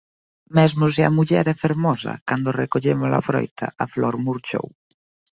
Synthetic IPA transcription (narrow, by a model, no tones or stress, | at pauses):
mɛzmʊs̬ɪɐmuʎɛɾɛfeɾmɔsɐ̰kand̪orekoʎemʊsla̰fɾɔ̰jt̪ʰɐ̰ɐflɔɾmuɾt͡ʃo̰w